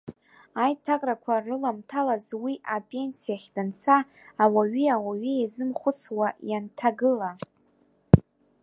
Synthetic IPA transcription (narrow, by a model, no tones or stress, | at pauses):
ajtʰakʼrakʷʰarɨlamtʰalazwiʔapʼe̞nsijaχʲdant͡sʰaː | waɥiawaɥiazɨmχʷʊt͡sʰwajantʰaɡɨla